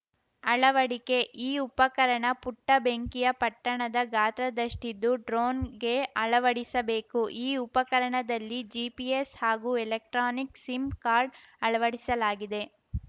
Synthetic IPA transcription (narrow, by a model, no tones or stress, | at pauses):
ɐɭɐʋɐɽike̞ʔiːupɐkɐɾɐɳɐpuʈːɐbeŋkijɐpɐʈːɐɳɐd̪ɐɡaːt̪ɾɐd̪ɐʂʈid̪ːuɖɾoːnɡe̞ɐɭɐʋɐɽisɐbe̞ːkuʔiːupɐkɐɾɐɳɐd̪ɐlːid͡ʒipieshaːɡuːelek̚ʈɾaːniksimkaːɾɖɐɭɐʋɐɽisɐlaːɡid̪e̞